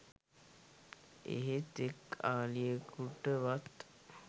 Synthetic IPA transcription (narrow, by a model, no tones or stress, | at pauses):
ḛɦet̪ekaːlijekuʈəʋat̪